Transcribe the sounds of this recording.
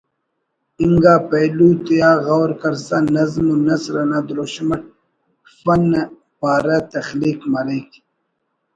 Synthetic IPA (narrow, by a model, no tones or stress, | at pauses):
iŋɡaːpɐjluːt̪ijaːɣawɾkɐɾsanɐzmonɐsɾɐnaːd̪ɾoɕmɐʈ̚ | fɐn | paːɾɐt̪ɐxliːkmɐɾik